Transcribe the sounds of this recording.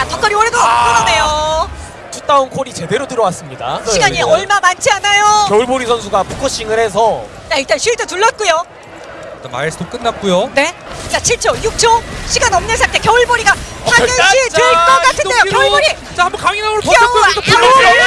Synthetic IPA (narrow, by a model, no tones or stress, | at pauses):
atʌk͈ʌɾiʌɾedok͈ʌɾane̞jo | tut͈aonkʰoɾit͡ɕe̞de̞ɾotɯɾʌwas͈ɯmɲida̰ɕiɡaɲieʌɭmamant͡ɕʰianajojʌuɭboɾisʰʌnsʰuɡapukʰʌɕ͈iŋɯɾe̞sʰʌ | t͡ɕaiɭt͈anɕʰiidotuɭːat̚k͈ujo | kama̰sdok͈ɯnːat̚k͈ujone̞k͈at͡ɕʰiɭt͡ɕʰojuk̚t͡ɕʰoɕʰiɡanʌmnɯnsʰatʰe̞kjʌuɭboɾiɡakaeiɯɭk͈ʌk͈atʰɯndejokjʌuɭboɾi | t͡ɕahambʌnkaŋinamoopopʰ